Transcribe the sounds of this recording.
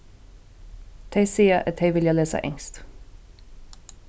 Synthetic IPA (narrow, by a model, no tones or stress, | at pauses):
t̪ʰeɪsiːəʔət̪ʰeɪʋɪljɑleːsə̰ʔɛ̰ŋst̪